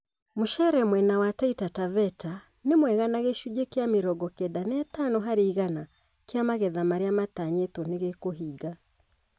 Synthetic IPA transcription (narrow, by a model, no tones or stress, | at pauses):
moʃɛɾɛmwɛnawataitatavɛta | nemwɛɣanaɣeʃud͡ʒekeameɾɔɡɔkɛdanɛt̪anɔɦaɾeiɣana | keamaɣɛðamaɾeamat̪aɲetɔneɣekoɦiɡa